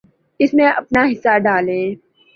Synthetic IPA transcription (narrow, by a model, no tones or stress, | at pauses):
ɪsmẽʔɐpnaɦɪsːaɖaːlẽː